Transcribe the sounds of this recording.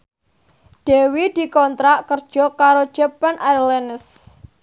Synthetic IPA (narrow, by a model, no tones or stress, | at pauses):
d̥e̤wid̪̥i̤kɔnt̪ɾaʔkərd̥ʒ̥ɔ̤kaɾo̥d͡ʒ̥apɛnaɾlɛnɪs